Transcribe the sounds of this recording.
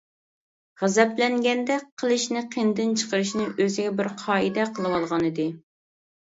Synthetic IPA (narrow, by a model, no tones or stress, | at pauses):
ʁæzɛplɛŋɡʲɛnd̪ɛqʰəlˠɨʃnɨqʰend̪ɪnt͡ʃʰə̥qəɾɨʃnɨʔøzɪɡʲɛbɪɾqʰɑːid̪ɛqʰəlˠɨwɑlˠʁɑnɨd̪ɨ